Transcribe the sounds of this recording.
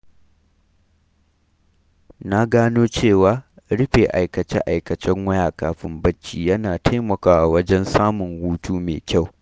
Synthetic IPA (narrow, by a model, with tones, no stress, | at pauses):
na˦ɡaː˦noː˦t͡ʃeː˦˨waː˨˦ | ɽɪ˦ɸeː˨ʔa˨jkɐ˨t͡ʃɛ̰˦ʔa˨jkɐ˨t͡ʃɛ˦ŋwɐ˦jaː˨kaː˨ɸɪ˦mbɐ˦t͡ʃːiː˨jɐ˦naː˨tʰa˦jmɐ˨kaː˦wa˨wɐ˦d͡ʒɛ˦nsaː˦mʊ˨ŋhuː˦tuː˦meː˨kʲa˦˨w